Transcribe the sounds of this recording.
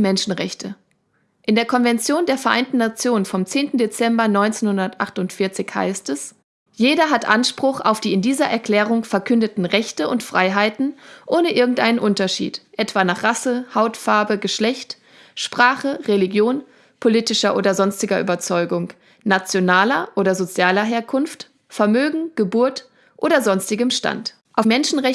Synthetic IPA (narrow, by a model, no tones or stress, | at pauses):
mɛnʃn̩ʁɛçtʰə | ʔɪndeːɐkʰɔnvɛnt͡sjoːndeːɐfɛɐʔa̰ɪntn̩nat͡sjoːnənfɔmt͡seːntn̩det͡sɛmbɐnɔʏnt͡seːnhʊndɐtʔaχtʊntfɪɐt͡sɪçha̰ɪstɛs | jeːdɐɦatʔanʃpʁ̥ʊχa̰ʊfd̥iːɪndiːzɐʔɛɐkl̥ɛːʁ̞ʊŋfɛɐkʰʏndətn̩ʁɛçtəʊntfʁ̥aɪɦaɪtn̩ʔoːnəʔɪɐɡŋ̩tʔaɪnənʔʊntɐʃḭːtʔɛtv̥aːnaːχʁ̥asəhaʊtfaɐbəɡəʃlɛçt | ʃpʁ̥aːχəʁeliɡjoːn | pʰoliːtɪʃɐʔoːdɐzɔnstɪɡɐʔy̰ːbɐt͡sɔʏɡʊŋ | nat͡sjonaːlɐʔoːdɐzot͡sjaːlɐɦeːɐkʰʊnft | fɛɐmøːɡŋ̩ɡ̥əbuːɐt | ʔoːdɐzɔnstɪɡəmʃta̰nt | ʔaʊfmɛnʃn̩ʁɛ